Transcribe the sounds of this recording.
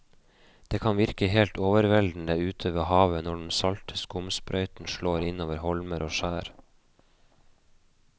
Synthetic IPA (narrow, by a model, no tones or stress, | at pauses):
d̪̥eːkʰɑnʋɪɾkəheːlt̪oːʋəɾʋɛld̪n̩d̪əʉːt̪ʰøːʋəhɑːʋənɔɖɳ̩sɑlt̪ʰə̥skʊmspɾʔœʏt̪n̩ʃɭoːɾɪnoːʋəɾhɔlməɾʔoːʃæːɾ